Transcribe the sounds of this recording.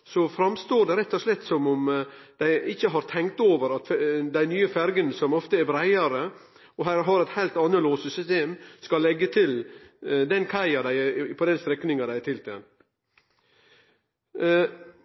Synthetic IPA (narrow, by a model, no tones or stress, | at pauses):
sɔfɾɑmst̪oːɖɛɾɛt̪ːɔʂlɛt̪ːsɔmʊmd̪̥æɪʔɪçːəɦɑɾt̪ʰɛŋk̚t̪oːʋəɾɑt̪fd̪æɪnyːəfæɾɡənsɔmɔft̪əæɾbɾæɪəɾə | ɔɦæːɾɦɑɾɛt̪hæɪlt̪ɑnːəloːsəsʏst̪eːmskɑlːɛɡːət̪ʰɪld̪ɛnkʰæɪɑd̪æɪpʰɔd̪ɛnst̪ɾɛkːnɪŋɑd̪æɪt̪ʰɪlt̪ʰɛ̰n